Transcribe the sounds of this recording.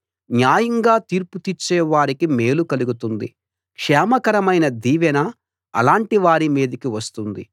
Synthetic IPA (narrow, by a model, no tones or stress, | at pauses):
njaːjɐŋɡaːt̪iːɾput̪it͡ʃːɛːʋaːɾikimeːlukɐluɡut̪und̪ḭ | kʂɛːmɐkɐɾɐmɐjnɐd̪iːʋɛnɐ | ɐ̰laːɳʈiʋaːɾimiːd̪ɐkiʋɐst̪und̪ḭ